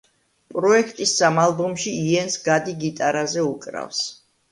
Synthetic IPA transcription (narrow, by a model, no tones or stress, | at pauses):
pʼɾɔɛkʰt̪ʼisːamalˠbɔmʃiːɛnsɡad̪iɡit̪ʼaɾazɛukʼɾa̰fs